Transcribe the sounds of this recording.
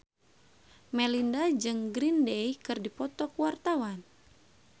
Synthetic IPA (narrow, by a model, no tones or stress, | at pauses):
mɛlindad͡ʒɨŋɡɾindejkɨrdipɔt̪ɔkuwart̪awan